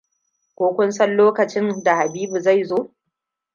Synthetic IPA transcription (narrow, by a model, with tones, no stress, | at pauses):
kʷoː˦kʷʊ˦nsɐ˦nloː˦kɐ˨t͡ʃɪ˦nda˨ha˨biː˦bu˨za˦˨jzoː˦